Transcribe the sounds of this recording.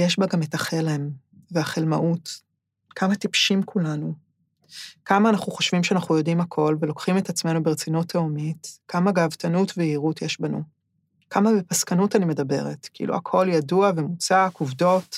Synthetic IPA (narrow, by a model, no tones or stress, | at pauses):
jeʃbaɡame̞taχelem | veaχelmaʔut | kʰamatipʃimkʰulanu | kamaːnaχuχo̞ʃv̥imʃeanaχnujo̞dimhakʰo̞lvelo̞kχime̞tat͡sme̞nubeʁet͡sinutaomitkamaɡaːvtanutveiʁutjeʃbanṵ | kamabepaskanutanime̞dɐbe̞̰ʁetkiḭlṵakʰo̞ljaduavemut͡sakuvdo̞t